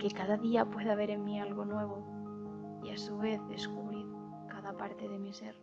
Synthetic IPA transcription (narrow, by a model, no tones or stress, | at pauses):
ke̞kaðaðiapwe̞ðaβ̞e̞ɾe̞nmialɣo̞nwe̞β̞o̞ | iasuβe̞θðe̞skuβɾiɾ | kaðapaɾt̪e̞ðe̞mise̞ɾ